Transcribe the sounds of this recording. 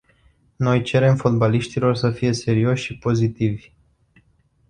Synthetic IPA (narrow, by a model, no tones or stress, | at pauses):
no̞jt͡ʃe̞ɾe̞mfot̪̚baliʃt̪ilo̞rsəfije̞se̞ɾio̞ʃʲʃipo̞zit̪ivʲ